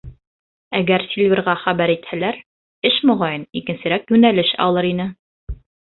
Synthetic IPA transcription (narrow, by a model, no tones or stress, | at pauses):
æɡæɾsʲilʲvʲeɾʁɑχæbæɾit̪hælæɾ | ɘʃmŏʁɑjɤnikɘ̆nsɘ̆ɾækjʉnælɘʃɒ̰lˠɤɾinɘ